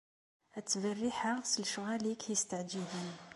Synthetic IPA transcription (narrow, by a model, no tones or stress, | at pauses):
æt̪ːvərːiħasəlʃɣælikhjist̪əʕd͡ʒidən